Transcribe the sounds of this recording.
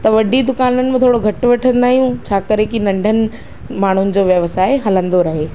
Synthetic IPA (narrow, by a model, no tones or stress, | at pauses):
t̪ɐʋɐɖʱid̪ʊkaːnənɪ̆mɪ̃t̪ʰoːɽoɡʱɐʈʋɐʈʰə̃nd̪aːɦijũt͡ɕʰaːkɐɾekinɐ̃ɳɖʱənɪ̆ | maːɳ̤ʊnɪ̆d͡ʑoːʋjɐʋsaːeɦɐlə̃nd̪oɾɐɦeː